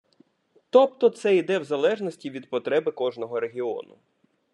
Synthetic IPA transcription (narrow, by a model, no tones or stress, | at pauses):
t̪ɔpt̪ɔt̪sɛid̪ɛwzɐlˠɛʒnɔsʲtʲiʋʲid̪̚pɔt̪ɾɛbɪkɔʒnɔɦɔɾe̞ɦʲiɔ̰nʊ̰